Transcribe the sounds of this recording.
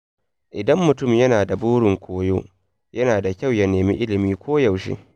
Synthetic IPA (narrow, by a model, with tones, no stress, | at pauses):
ʔɪ˨dɐ˦mːʊ˨tʊ˦˨mjɐ˦naː˨da˨buː˦ɽʊ˨ŋkʷoː˦jo̰ː˦ | jɐ˦naː˨da˨kʲa˦˨wja˦neː˨mḭ˦ʔɪ˦lɪ˨miː˦kʷʰoː˦jɐ˨wʃḭ˦